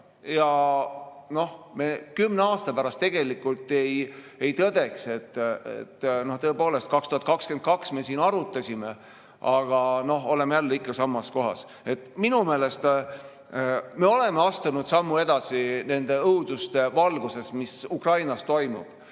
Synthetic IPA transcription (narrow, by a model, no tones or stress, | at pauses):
jɑ | no̞hme̞ːkymːneɑːst̪ɑpæɾɑst̪e̞ɡ̥e̞likːˑult̪ːe̞j | e̞jt̪ɤd̪̥e̞kse̞t̪ːḛt̪ːno̞ht̪ɤepo̞ːle̞st̪̚kɑkst̪uhɑt̪kɑkske̞nt̪̚kɑksme̞ːsiːnɑɾut̪ːˑɑsʲime̞ | ʔɑɡ̥ɑno̞ɦo̞le̞mejælːeikːɑsɑmːɑsko̞ɦɑ̰s | e̞t̪ːˑminume̞ːle̞st̪ | me̞o̞le̞me̞ɑst̪unud̪̥sɑmːue̞d̪ɑsine̞nd̪̥e̞ɤud̪ust̪e̞vɑlɡuse̞smisukrɑjnɑst̪o̞jmṵb̥